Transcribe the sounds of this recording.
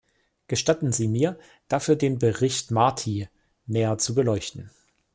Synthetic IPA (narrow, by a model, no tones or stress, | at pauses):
ɡ̥əʃtatn̩ziːmiːɐ | d̥afyːɐdeːnbəʁɪçtmaɐtʰiː | nɛːɐt͡subəlɔʏçtn̩